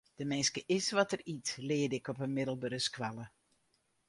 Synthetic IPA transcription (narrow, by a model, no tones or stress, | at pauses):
d̥əmɪnskəʔɪsʋɔtəritlɪədɪkɔpənmɪdəlˠbəɾəskʰʋalˠə